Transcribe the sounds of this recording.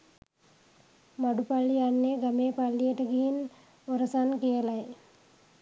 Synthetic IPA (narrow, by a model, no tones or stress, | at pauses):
mɐɽupɐɭːianːeɡɐmeːpɐɭːijeʈɐɡijin | oɾɐsankijɐlɐj